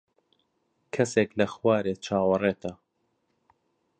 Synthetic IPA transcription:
kʰɐseklɐxwaːɾeːt͡ʃʰaːwɐrˤeːt̪ʰɐ

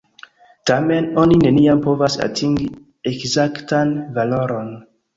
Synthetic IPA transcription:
tame̞no̞nine̞niampo̞vasa̰tʰiŋɡi | ekzaktanvalo̞ɾo̞n

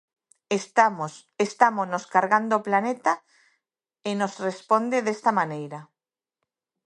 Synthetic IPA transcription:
est̪ams | est̪amoznoskaɾɣand̪oːplanet̪a | enosrespond̪eðest̪amanejɾa

